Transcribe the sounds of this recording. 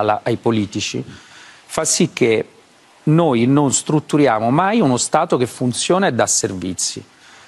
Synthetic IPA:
la̰ʔajpoliːt̪it͡ʃḭ | fasːik̟ːe | noːjnonst̪ɾut̪ːuɾjaːmomajunost̪aːt̪okefːunt̪sjoːned̪aservit̪sːḭ

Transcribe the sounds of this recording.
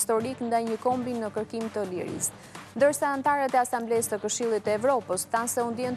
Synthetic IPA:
st̪ɔɾiknd̪ajɲəkɔmbinəkəɾkimt̪əlḭɾḭs | nd̪əɾsaːnt̪aɾat̪ɛasamblɛst̪əkəʃilˠit̪əɛvɾɔpəsθansɛund̪jɛn

